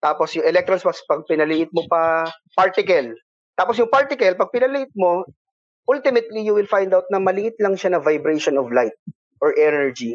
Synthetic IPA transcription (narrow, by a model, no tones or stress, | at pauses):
t̪aːposjʊŋʔɛlɛk̚t̪ɾonspɐspɐɡ̚pɪnɐlɪʔɪt̪̚mopɐ | paɹt̪ɪkɐl | t̪aːpos̬jʊŋpaɹt̪ɪkɐlpɐɡ̚pɪnɐlɪʔɪt̪̚mo̞ | ʔʊlt̪ɪmɛt̪̚lijʊwɪlfajnd̪awt̪̚nɐmɐlɪʔɪt̪̚lɐŋʃanɐvajbɾɛjʃonɔvlajt̪̚ | ʔɔɹʔɛnɛɹd͡ʒi